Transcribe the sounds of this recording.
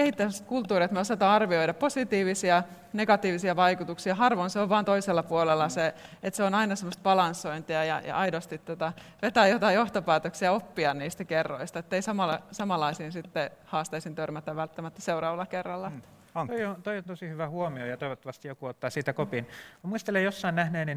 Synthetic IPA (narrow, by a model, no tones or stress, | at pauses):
kehit̪ːææst̪̚kult̪ːuːriɑt̪meosɑt̪ɑːɑrʋioidɑpposit̪iːʋisiɑ | neɡɑt̪iːʋisiɑʋɑikut̪uksiɑɦɑrʋonseoʋʋɑːnt̪oiselːɑpuolelːɑseet̪seonɑinɑsemːˑost̪̚b̥ɑlɑnsːoint̪iɑjɑ̰jɑ̰ʔɑidost̪it̪ːot̪ɑʋet̪æːjjot̪ɑijjoht̪opæːt̪øksiɑopːiɑnniːst̪ækerːo̰ist̪ɑet̪ːeisɑmɑlɑsɑmɑlːˑɑisiːnsit̪ːehɑːst̪eisint̪ørmæt̪æʋʋælt̪ːæmæt̪ːæ̥seurɑːʋɑlːˑɑkerːɑlːɑ̥ | t̪oiont̪oiont̪osihyʋæhuomiojɑt̪oiʋot̪ːɑʋɑst̪ijjokuot̪ːɑːsiːt̪ækopinmuist̪elejjosːɑinæhneːnin